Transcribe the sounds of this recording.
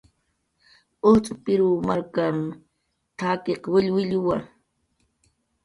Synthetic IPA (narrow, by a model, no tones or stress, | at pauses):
oht͡sʼʊpɪɾumaɾkam | t̪ʰakeqwɪʎwɪʎʊwaŋ